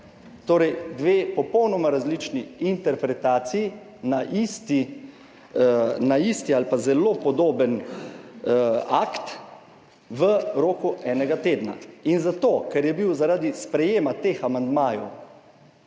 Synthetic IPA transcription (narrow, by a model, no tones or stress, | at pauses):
t̪oːɾɛjd̪ʋeːpɔpɔwnɔmaɾazlit͡ʃniint̪ɛɾpɾɛt̪aːt̪siji | naʔist̪i | naist̪ialpazɛlopɔd̪oːbən | a̰kt̪ | ʋəɾoːkuɛːnɛɡat̪eːd̪na̰inzat̪oːkɛɾjɛbiwzaɾaːd̪ispɾɛjeːmat̪examand̪maːjɔ̰w